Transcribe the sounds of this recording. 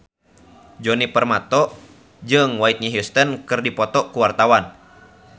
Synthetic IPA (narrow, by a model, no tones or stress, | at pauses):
d͡ʒɔnipərmat̪ɔ | d͡ʒɨŋwait̪̚ɲiɦjust̪ənkɨrdipɔt̪ɔʔkuwart̪awan